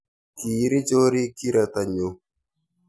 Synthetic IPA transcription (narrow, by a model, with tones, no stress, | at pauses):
ki˨˦ɾi˦d͡ʒo˦ɾi˦ki˦ɾa˨t̪a˨ɲo˨